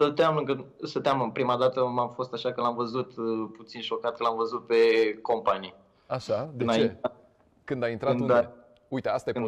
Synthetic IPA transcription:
sət̪eamnəkəsət̪eaməpɾimad̪at̪əmamfo̞st̪aʃakəlamvəzut̪put̪sinʃo̞kat̪̚kəlamvəzut̪̚pe̞ko̞mpani | aʃad̪ɨnaiea | kɨnd̪aint̪ɾat̪und̪ae | ujt̪east̪ajekɨ

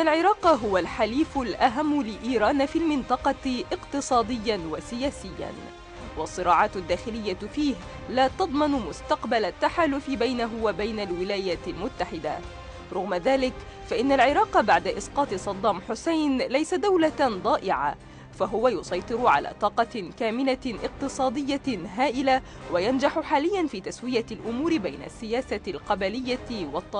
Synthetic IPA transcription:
ʔɪʔnːalʕɪɾɑːqɦʊwalħaliːfʊlʔaɦamːʊlɪʔiːɾɑːnfilmɪnt̪ˤɑqɑʔɪqt̪ɨsˤɑːd̪ɪjːanwasɪjaːsɪjːa̰n | wɑsˤːɨɾˤɑːʕɑːt̪d̪ːaːxɪlɪjːafiːh | laːt̪ɑd̪ˤmɑnmʊst̪aqbalat̪ːaħaːlʊfɪbajnaɦʊwabajnalwɪlaːjaːlmʊt̪ːaħɪd̪a̰ | ɾˤʊɣmaðaːlɪk | faʔɪnːalʕɪɾˤɑːqbaʕd̪aʔɪsqɑːt̪ˤɨsˤɑd̪ˤːɑːmħʊsajnlajsad̪awlad̪ˤɑːʔɪʕa̰ | faɦʊwajʊsˤɑjt̪ˤɨɾʊʕa̰la̰ːt̪ˤɑːqɑkaːmɪlaʔɪq̚t̪ɨsˤɑːd̪ɪjːaɦaːʔɪla | wajand͡ʒaħʊħaːlɪjːanfiːt̪aswɪjalʔʊmuːɾɪbajna̰sːɪjaːsalqɑbalɪjːawɑt̪ˤːɑː

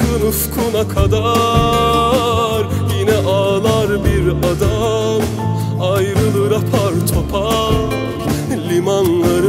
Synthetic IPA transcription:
ɯnuskʰunakʰad̪a | ɾ | jinɛʔalˠaɾbiɾad̪am | ajɾɯlˠɯɾapʰaɾt̪ʰopʰa | lʲimanlˠaɾɯ

